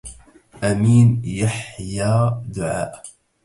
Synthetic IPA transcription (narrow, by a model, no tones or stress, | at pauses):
ʔamiːnjaħjaːd̪ʊʕa̰ːʔ